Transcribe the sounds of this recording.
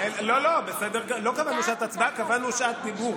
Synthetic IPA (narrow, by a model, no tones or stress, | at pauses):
elolobesɛd̪eʁɡlokavanuʃaʔat̪at͡sbaʔkavanuʃʔat̪̚d̪ibu